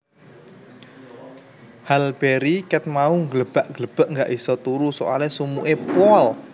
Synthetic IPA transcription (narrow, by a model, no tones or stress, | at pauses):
halb̥eɾikɛt̪̚mauŋɡələb̥a̤ʔŋɡələb̥a̤ʔŋɡaʔisɔt̪uɾusɔʔa̰lɛsumuʔepɔl